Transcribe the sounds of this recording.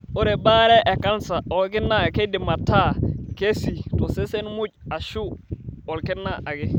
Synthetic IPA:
o˦ɾe˨ba˦ɾe˦ʔe˨ka˦nsa˨o˨lk̬ɪ˦nːa˦˨ke˦dɪ˨ma˨ta˦˨ke˦si˨to˨se˦se˦nmu˦ɟa˨ʃu˦o˨lkɪ˦nːa˦ʔa˨ɡe˦

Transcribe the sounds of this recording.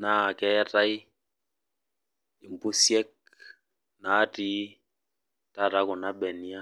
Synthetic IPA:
na˨kɛ˦ra˦i˦ | i˨m˨bu˦sjɛ˦k̚ | na˨˦ti˦ | ta˦ɾa˦kɔ˨na˦ɓɛ˨ni˦a˦

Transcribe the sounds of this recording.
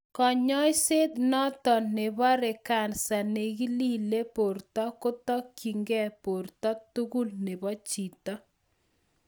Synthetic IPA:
kɔ˨ɲɔ˦jse˦d̪nɔ˦tɔ˨ne˨bɔ˦ɾɪ˨ka˨nsa˨ne˨ɣi˦li˦le˦po˨ɾtɔ˦kʊ˦tɔ˦ki˨ŋɡɛ˦po˨ɾt̪ɔ˦tu˦ɣu˦lne˨bɔ˦t͡ʃi˨tɔ˦

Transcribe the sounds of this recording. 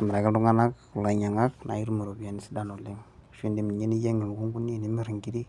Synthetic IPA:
m˨ɾa˨ɡɛ˦du˦ŋa˦na˦kla˨ɲa˨ŋa˦kna̰˨i˦ɾu˦mu˨ɾo˨bija˨ni˦si˦da˨no˨li˦ŋ | ʃi˦ndi˨mi˨ɲe˦ni˦je˦ŋi˨m˨ɡu˦ŋɡu˦nːi˦˨ni˦mi˦ɾi˨ŋɡi˦di˦

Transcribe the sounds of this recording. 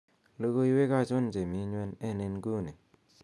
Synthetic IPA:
lo˦ɡo˦i˦we˦ka˦˨t͡ʃʊ˦nd͡ʒe˨mi˨˦ɲwɛ˧nɛ˦˨ne˧nɡu˦˨ne˨

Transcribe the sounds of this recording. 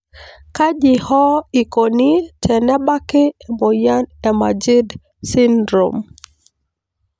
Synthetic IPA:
ka˦ʄihɔ˦i˨konitɛnɛ˦ɓa˦ki˦ɛmɔ˨ja˦nɛ˨mad͡ʒi˦d | sindɾo̰m

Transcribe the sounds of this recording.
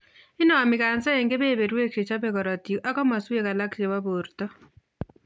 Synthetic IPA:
ɪ˦nɔ˨mɪ˨ka˨nsɛ˦e˨ŋɡe˦be˦˨be˨ɾwe˦kt͡ʃe˨t͡ʃa˦be˦˨kɔ˨ɾɔ˨tju˨ʔa˦kɔ˦ma˨swe˦ka˨la˦kt͡ʃe˨wa˦bo˨ɾtɔ˦

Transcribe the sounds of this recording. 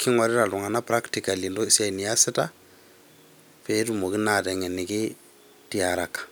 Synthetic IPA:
kʰɪ˦ŋwa˨ɾɪ˦ɾa˨lʊ˨ŋa˨na˦pɾa˦ktika˨lindɔ˦ɪ˨sa˦ni˨a˦sɪ˦ta˦ | pɛ˦tu˨mo˨kɪ˦na˦tɛ˨ŋɛ˨nɪ˨kɪ˦ | ti˦aɾa˨kːḁ˨

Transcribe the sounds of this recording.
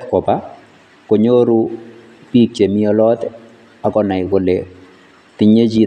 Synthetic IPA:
kɔ˨pa˦ | ko˨ɲo˦ɾu˦ | pi˦k̚t͡ʃe˨mi˦ɔ˦lɔ˦t̪ | a˨kɔ˦na˨ɪ˨ko˨le | ti˦ɲe˦d͡ʒi˦

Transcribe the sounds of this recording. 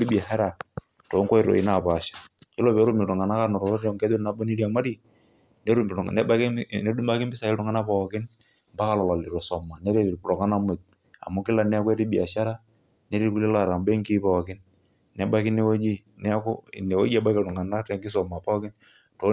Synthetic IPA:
ɾi˦bi˨a˨hɛ˦ɾa˨ | to˨˦ŋkɔ˦ɪ˦ɾo̰˨ɪ̰˨na˨pa˨ʃḁ˨kɛ˦lo˦pɛ˨˦ɾu˦mɪ˨ʊ˨ŋa˨na˦ka˦nɔ˨ɾɔ˨ɾo˦ɾɔ˦ŋkɛ˦do˦na˨˦bo˦ni˦ɾja˨ma˦ɾi˨ | ne˦ɾu˦m˨ŋ˨nɛ˦ba˦kne˦du˦ma˦kɪ˦mbɪ˦sa˨ɪ˦ɾʊ˦ŋa˦na˦pɔ˦kɪ˦n | mba˦ka˨lɔ˨lɔ˨li˨ɾɔ˨sɔ˨ma˨nɛ˦ɾe˦˨ɾi˨pɾɔ˨ŋa˦na˦mʊ˨t̚ | a̰˨mʊ˦kɪ˦la˨n˦a˦kwɛ˦ɾi˦bi˨a˨ʃa˦ɾa˦ | ne˦ɾi˦ku˦li˦la˦˨ɾa˨mbe˦ŋki˦pɔ˨kɪ˦n | nɛ˨ba˦kɪ˦ne˦wo˦d͡ʒi˦ | n˦ko˦ne˨wo̰˦d͡ʒi˦a˦ba˦kɪ˨ʊ˨ŋa˨na˦ɾɛ˨ŋɡɪ˦sɔ˨ma˨pɔ˦kɪ˦n | to˨˦

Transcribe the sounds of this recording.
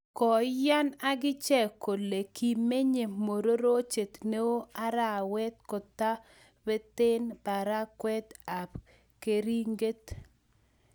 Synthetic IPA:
kɔ˨ja˦na˦ɡɪ˦t͡ʃɛ˦˨ko˨le˨ki˨me˦ɲe˨mo˨ɾo˦ɾo˦t͡ʃe˨t̪ne˦o˦a˦ɾa˦˨wɛ˦t̪̚kɔ˨t̪a˦ | bɛ˦t̪ɪ˦nba˨ɾa˦kwɛ˦d̪a˨p | ke˨ɾi˦ŋɡe˦t

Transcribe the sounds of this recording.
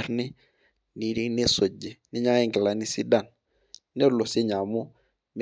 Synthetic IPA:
ɾnɪ˦ | ni˦ɾi˦ne˦so˨d͡ʒe˨nɪ˦ɲa˦e˦ŋɡɪ˨la˨ni˦si˦da˦˨n | ne˦lo˨se˦ɲa˨mʊ˦ | m

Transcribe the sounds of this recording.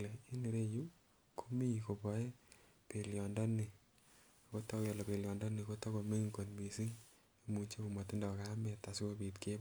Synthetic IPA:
lei˦ni˨ɾe˦ju˦ | kʰo˦mi˦ko˨pɔ˨e˦ | pe˨ljɔ˨ndɔ˦ni˨ | ko˦tɔ˦kjɔ˨lɔ˨pe˨ljɔ˨ndɔ˦ni˨ko˦tɔ˦ko˨me˦ŋko˨nmi˨si˦ŋ | mu˨t͡ʃe˦ku˨ma˨ti˦ndɔ˨ka˦mɛ˨ta˨si˦o˦pi˨tke˦b

